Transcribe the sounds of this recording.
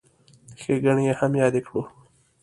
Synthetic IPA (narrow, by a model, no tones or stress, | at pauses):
xeɡaɳijehamjɑːd̪ekɽu